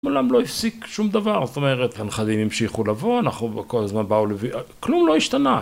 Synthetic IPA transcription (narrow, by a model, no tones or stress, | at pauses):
ulamlo̞ifsikʃumd̪avaʁzot̪o̞me̞ʁet̪anχadimimʃiχulavo̞anaχnukolazmanbauleviklumlo̞iʃt̪ana